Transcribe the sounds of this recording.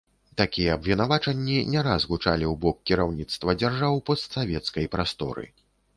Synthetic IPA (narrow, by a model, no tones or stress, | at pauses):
t̪akʲijɛɐbvʲinavat͡ʂɐnʲːinʲɛɾazɣut͡ʂalʲiwbɔk̚kːʲiɾawnʲit̪st̪vɐd͡zʲarʐawpɐst̪savʲɛt̪skɐjpɾast̪ɔ̰ɾɨ̰